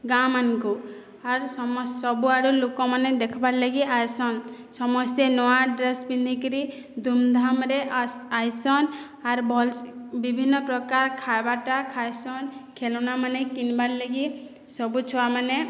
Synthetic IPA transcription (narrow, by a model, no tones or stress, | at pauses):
ɡamanku | aɾsɔmɔssɔbuaɾulokɔmaned̪ekʰɔbaɾlaɡiajsɔn | sɔmɔst̪enɔwaɖɾesbind̪ʱikɾi | d̪ʱumd̪ʱamɾeajsɔn | aɾbʱɔlbibʱinːɔpɾɔkaɾkʰajbaʈakʰajsɔnkʰelɔnamanekinbaɾlaɡi | sɔbut͡ʃʰɔwamane